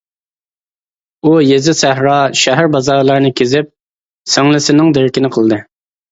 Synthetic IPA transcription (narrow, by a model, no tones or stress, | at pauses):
ujezɪsæɦɾɑʃɛɦæɾbɑzɑɾlˠɑɾnɨkʲʰezɪp̚ | seŋlˠɪsɪnɪŋd̪eɾɪkʲinɪqʰəlˠd̪ɨ